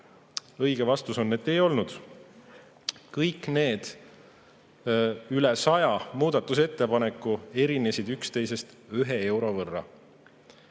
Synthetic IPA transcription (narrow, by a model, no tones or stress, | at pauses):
ɤjɡ̥evɑst̪uso̞nːed̪e̞jo̞lnud̪̥ | kɤjkne̞ːd̪̥ | ylɛsɑjɑmuːd̪̥ɑt̪ˑːus̬e̞t̪ːe̞pɑnekːˑue̞ɾinesid̪ykst̪e̞jse̞st̪yɦe̞e̞wɾo̞vɤrːɑ̰